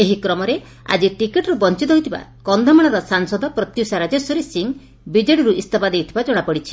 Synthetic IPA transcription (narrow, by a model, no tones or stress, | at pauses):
eɦikɾɔmɔɾe | a̰d͡ʒiʈikiʈɾubɔnt͡ʃit̪ɔɦjt̪ʰiba̰kɔnd̪ʱɔmaɽ̃ɔɾɔsaŋsɔd̪ɔpɾɔt̪jusaɾad͡ʒesɔɾesiŋ | bid͡ʒeɽiɾuʔist̪ɔpad̪ewt̪ʰibad͡ʒɔɽ̃apɔɽit͡ʃʰi